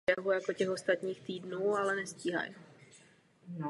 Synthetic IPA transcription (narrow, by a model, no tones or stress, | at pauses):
ɛɦujako̞cɛxo̞st̪at̪ɲiːxt̪iːdnuːalɛnɛsciːɦa̰j